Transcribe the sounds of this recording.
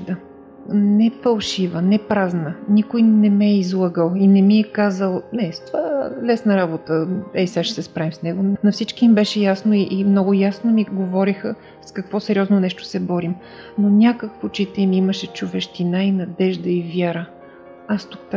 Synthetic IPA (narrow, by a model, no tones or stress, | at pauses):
d̪ə | nɛfɐlˠʃivənɛpɾaznənikʊjnɛmɛizlˠəɡəlˠinɛmiɛkazəlˠnɛst̪ovalɛsnəɾabot̪əɛsaʃɛsɛspɾavimsnɛɡonɐfsit͡ʃkimbɛʃɛjasnoiʔimnɔɡʊjasnomiɡovɔɾixə | skɐkvɔsɛɾʲiɔznonɛʃt̪o̥sɛbɔɾim | nonʲakəkvot͡ʃit̪ɛimiməʃɛt͡ʃʊvɛʃt̪inainɐd̪ɛʒd̪əivjaɾə | ast̪uk̚t̪